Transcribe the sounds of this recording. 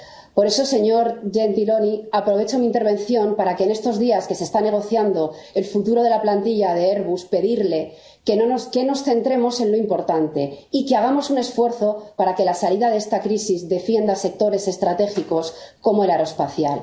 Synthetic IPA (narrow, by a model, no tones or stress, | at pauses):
po̞ɾe̞so̞se̞ɲo̞ɾʝe̞nt̪ilo̞niapɾo̞β̞e̞t͡ʃo̞mĩːnt̪e̞ɾβ̞e̞nθjo̞mpaɾakeːne̞st̪o̞zðiaske̞sest̪ane̞ɣ̞o̞θjand̪o̞e̞lfut̪uɾo̞ð̞e̞laplant̪iʎaðe̞eɾβuspe̞ðiɾle̞ | kenonoske̞no̞sθe̞nt̪ɾe̞mo̞se̞nlo̞impo̞ɾt̪ant̪e̞ikeaɣ̞amo̞sune̞sfwe̞ɾθo̞paɾake̞lasaliðaðe̞st̪akɾisizðe̞fje̞nd̪ase̞k̚t̪o̞ɾe̞se̞st̪ɾat̪e̞xiko̞sko̞mo̞e̞laɾo̞espaθja̰l